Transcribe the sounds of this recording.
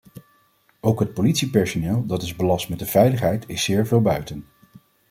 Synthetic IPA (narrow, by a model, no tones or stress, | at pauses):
owkɦət̚politsipɛɹsonɪːlˠdɑtɪzbəlɑstmɛt̚dəv̥ɛjləχɦɛjtɪsɪːɹvɪːlˠbœɥtən